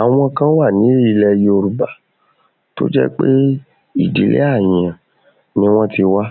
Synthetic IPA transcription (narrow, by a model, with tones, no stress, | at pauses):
a˨w̃ɔ̃˧kã˦wa˦˨nĩ˨˦i˦˧lɛ˧ji˦o˧ɾu˨ba˨ | to̰˦d͡ʒɛ̰˦k͡pe˦ | i˦˨di˨˦lʔḛ˦a˦˨jĩ˨˧ã˨ | nĩ˦w̃ɔ̃˦ti˧wa˦